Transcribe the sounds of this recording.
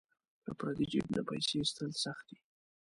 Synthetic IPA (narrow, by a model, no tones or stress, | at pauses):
d̪ə̰pɾɑt̪id͡ʒḭbnapajsest̪əlsaxt̪̚d̪i